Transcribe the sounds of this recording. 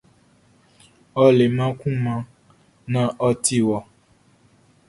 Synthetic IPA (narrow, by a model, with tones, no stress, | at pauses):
ɔ˧le˨mã˦kũ˦mã˧ | nã˦ʔɔ˧ti˦wɔ˨